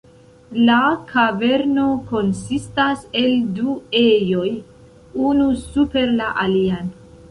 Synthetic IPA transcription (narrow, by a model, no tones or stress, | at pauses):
lakʰave̞ɾno̞ko̞nsistase̞lduejo̞j | unusupe̞ɾlaʔalian